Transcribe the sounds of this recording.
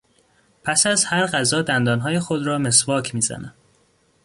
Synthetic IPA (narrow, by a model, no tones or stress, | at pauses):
pʰæsæzhæɾɢæzɒːd̪ænd̪ɒːnɦɒːje̞xod̪ɾɒːme̞svɒːcʰmiːzæ̰næ̰m